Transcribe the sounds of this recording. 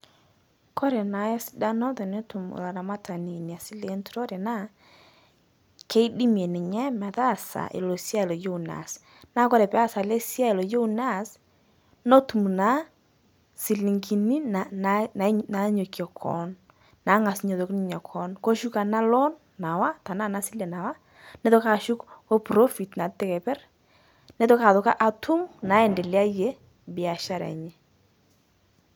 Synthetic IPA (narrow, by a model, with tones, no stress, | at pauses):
kɔ˦ɾɛ˨na˨˦jɔ˦sɪ̥˦da˦nɔ˦ðɔ˨ne˦tu˨mṵ˨la˨ɾa˨ma˦ta˨ni˨ni˨a˨si˦le˦ntu˨ɾɔ˦ɾɛ˨na˦˨ | ke˦i˦di˦mje˨nɪ˨ɲɛ˦mɛ˨ða˦˨sa̰˨ʔḛ˨lo˨sja˦e˨lɔ˨jo˦u˨na̰˨s | na˦kɔ˦ɾɛ˨pɛ˦a˦sa˨le˦sja˦e˨lɔ˨jo˦u˨na˦˨s | nɔ˦tu˨mu˨na˦ | si˨li˨ŋɡi˨ni˦na˨nana˨˦na˨˦ɲo˨kjɔ˨kʰɔ̰˨n | na˨˦ŋa˨sɲɔ˨ðo˨kni˦ɲɔ˨kʰɔ˨˦nkɔ˦ʃu˦ka˨na˦lɔ˦nːa˨wa˦ta˨na˦˨na˦si˦lɛ˨na˨wa˦ | nɛ˦tɔ˦ka˦˨ʃu˦kɔ˦pɾɔ˦fi˨tna˨tːɛ˦kɛ˨pɛ˦r | nɛ˦tɔ˦ka˨ðʊ˨ka̰˦ʔa˨tʰu˦mna˨˦ɛ˨ndɛ˨lja˦je˦ | bɪ˨a˨ʃa˦ɾɛ̰˨ɲɛ˦